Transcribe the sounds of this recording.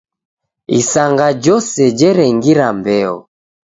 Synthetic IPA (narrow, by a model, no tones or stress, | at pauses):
isaŋɡad͡ʒɔsɛd͡ʒɛɾɛŋɡiɾambɛɔ